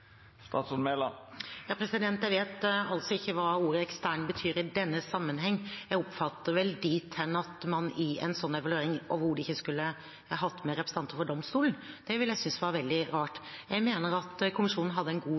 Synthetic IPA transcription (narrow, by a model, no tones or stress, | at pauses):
st̪ɑːt̪snmelɑ̰jɑːpʰɾɛsɪd̪ɛnt̪jæɪʋeːt̪ɑlt̪sɔɪçːəʋɑːuːɾəɛkst̪æɳbət̪ʰyːɾɪd̪ɛnːəsɑmːənɦɛŋːjæɡɔpfɑt̪ːəɾʋɛld̪iːt̪ʰːɛnːɑt̪mɑnɪɛ̰nsɔnːɛʋɑlʉeːɾɪŋʔo̰ʋəɾhʊɖɛɪçːəskʉlːə | ɦɑt̪ːmɛɾɛpɾs̩ɑnt̪əɾfɔɖɔmst̪uːln̩ | d̪̥ɛʋɪljæɪsʏnsʋɑɾʋɛld̪ɪɾɑːʈjæɪmeːnəɾɑt̪kʰʊmɪʂuːnn̩ɦɑd̪ːəɛnɡuː